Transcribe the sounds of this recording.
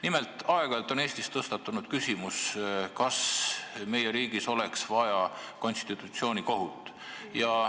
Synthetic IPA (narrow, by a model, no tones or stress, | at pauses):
nimelt̪ˑɑeɡ̥ɑlt̪ːˑo̞ne̞ːst̪ist̪ɤst̪ɑt̪ːˑunud̪̥kysimuskɑsme̞jeɾiːɡ̥iso̞le̞ksvɑjɑko̞nst̪it̪ˑut̪sio̞ːnʲiko̞ɦut̪ːˑ | jɑ